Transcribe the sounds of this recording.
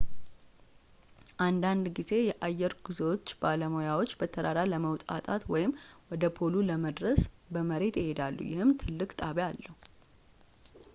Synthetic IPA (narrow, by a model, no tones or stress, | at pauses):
ʔand̪and̪ɡize̞jɛʔajːɛɾɡ̥uzewo̞t͡ʃːbaləmojawo̞t͡ʃːbət̪ʰəd̪aɾaləməwt̪ʼa̰t̪ʼat̪wɔjɪmwɔd̪əpʰo̞luləməd̪ɾəsbəməɾe̞t̪jɪhe̞d̪alːṵjɪhɨmt̪ʰɨlːɨkʼt̪ʼaβjalːəhu